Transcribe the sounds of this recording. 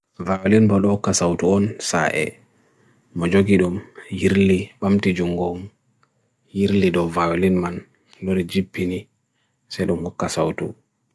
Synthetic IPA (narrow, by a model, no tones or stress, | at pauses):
vawilinbɔɗɔkːasawtuɔnsa̰ʔɛ̰ | mɔd͡ʒoɡiɗumjiɾliɓamtid͡ʒuŋɡɔm | jiɾliɗɔvawlinman | lɔɾid͡ʒibːini | sɛjɗumhɔkːasawtṵ